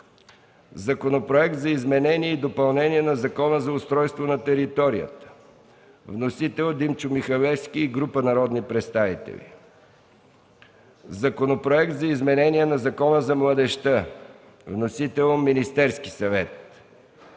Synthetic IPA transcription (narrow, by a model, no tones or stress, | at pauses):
zɐkonopɾoɛk̚t̪zɐizmɛnɛniɛid̪opɐlˠnɛniɛnɐzɐkɔnəzɐʊst̪ɾɔjst̪vonɐt̪ɛɾit̪ɔɾijə̰t̪ə̥ | vnosit̪ɛlˠd̪imt͡ʃʊmixɐvɛfskiːɡɾupənɐɾɔd̪nipɾɛt̪st̪avit̪ɛ̰lʲḭ | zɐkonopɾoɛkt̪zɐizmɛnɛniɛnɐzɐkɔnəzɐmlˠəd̪ɛʃt̪ə | vnosit̪ɛlˠminist̪ɛɾskisɐvɛt̪̚